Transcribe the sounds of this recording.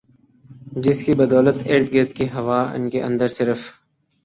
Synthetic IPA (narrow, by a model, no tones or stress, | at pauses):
d͡ʒɪskibɐd̪ɔːlət̪eːɾt̪̚ɡeːt̪kiɦɐʋaːɪ̰nkeʔɐ̰̃nd̪əɾsɪɾəf